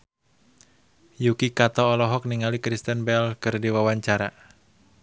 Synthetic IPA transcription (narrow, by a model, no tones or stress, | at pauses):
jukikat̪ɔːlɔɦɔk̚niŋalikɾist̪ənbɛlkɨrdiwawaɲt͡ʃaɾa